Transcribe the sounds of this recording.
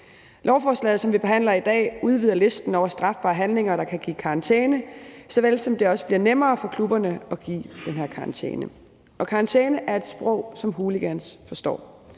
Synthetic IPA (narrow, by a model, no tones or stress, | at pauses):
lʔɒʊfɒːslɛ̰ːð̩ˠsɒ̽mʋib̥e̝ɦæn̰lɐid̥ɛ̰ːuð̞ˠʋiðˠɐle̝sd̥n̩ɒʊɐsd̥ʁɑ̈fb̥ɑ̰̈ːɦænle̝ŋɐɾ̥ɑ̈kʰæɡ̥ḭːkʰɑ̈ɑnt͡sʰeːnəsɒ̽ʋel̰sɒ̽md̥e̝ɒ̽sə̥b̥liɐnemɐːfɒ̽kʰlub̥ɐnəɒ̽ɡ̥ḭːd̥enɦeɐkʰɑ̈ɑnt͡sʰḛːnə | ʔɒ̽kʰɑ̈ɑnt͡sʰeːnəʔæɐe̝d̥sb̥ʁɔʊ̰sɒ̽mɦuːliɡ̥ænsfɒ̽sd̥ɒ̰ː